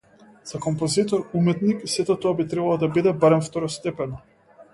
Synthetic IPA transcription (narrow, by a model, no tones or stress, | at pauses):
z̥akɔmpɔzit̪ɔɾumɛt̪niksɛt̪ɔt̪ɔabit̪ɾɛbalˠɔd̪abid̪ɛbaɾɛmft̪ɔɾɔst̪ɛpɛn